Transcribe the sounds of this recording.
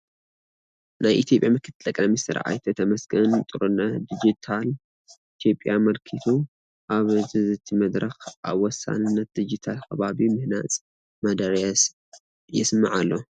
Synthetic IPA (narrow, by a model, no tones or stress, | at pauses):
najʔit̪jo̞pʼjamɨkʰɨt̪ʰɨlʼɐkʼlɐmisɨɾ̰ʕa̰jt̪ʰɐt̪ʰɐmɐsɡɐnt̪ʼɨɾunɐd̪id͡ʒit̪ʰal | it̪ʰjo̞pʼːjamɐlkʰit̪ʰu | ʔaβzɨzɨt̪ʰimɐd̪ɾɐxʔa̰βwɔsːa̰nɨnːɐt̪̚d̪id͡ʒit̪ʰalkʰɐβaβimɨhna̰t͡sʼ | mɐd̪ɐɾjas | jɪsmaʕalːo